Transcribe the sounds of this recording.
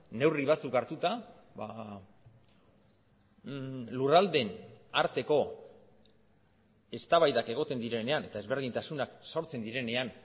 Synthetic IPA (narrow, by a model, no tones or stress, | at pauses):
ne̞wriβ̞at͡sukaɾt̪ut̪a | βa | lurald̪e̞naɾt̪e̞ko̞ | e̞st̪aβajðake̞ɣ̞o̞t̪e̞nd̪iɾe̞ne̞ane̞t̪aezβe̞ɾð̞int̪asunakso̞ɾt͡se̞nd̪iɾe̞ne̞an